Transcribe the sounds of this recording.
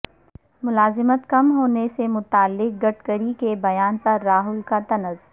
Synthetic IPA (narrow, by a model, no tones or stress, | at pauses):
mʊlaːzɪmət̪kɐmɦoːnesemʊt̪aːlːɪk̚ɡɐʈ̚ʰkəɾikebɐjaːnpɐɾːaːɦʊlkat̪ɐnəz